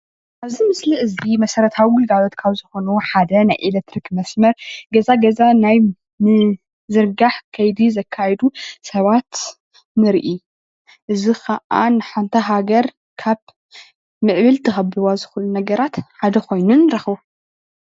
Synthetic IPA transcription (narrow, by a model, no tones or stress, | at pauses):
ʔaβzimɨsliʔɨzimɐsɐɾɐt̪ʰawiɡɨlɡalo̞t̪kʰaβzɨxo̞nuħad̪ɐnajʔelek̚t̪ɾikmɐsmɐɾɡɐzaɡɐzanaj | mɨ | zɨɾɡaħkʰɐjd̪izɐkʰːajɛd̪usɐβat̪ | nɨɾʔi | ʔɨzixʰɐʔa̰nɨħant̪ʰɐɦaɡɐɾ | kʰaβ | mɨʕβɨlt̪ʰɨxɐbɨwazɨxulːunɐɡɐɾat̪ħad̪ɐkʰo̞jnunɾɨxβu